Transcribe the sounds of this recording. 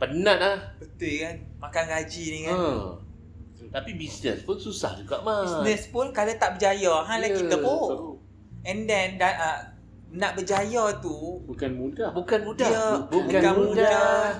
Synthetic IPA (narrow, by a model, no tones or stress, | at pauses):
pənãt̪̚lahbət̪ɪkanmakanɡad͡ʒinikaə | t̪apibisnɛ̰spʊnsusa̰hd͡ʒuɡaʔmaisnɛspʊnkalat̪aʔbəd͡ʒajɔɦãlakit̪əɦo | ɛndɛndaʔə | naʔbəd͡ʒajɔt̪ubukanmudabukanmudaabubukakanmudda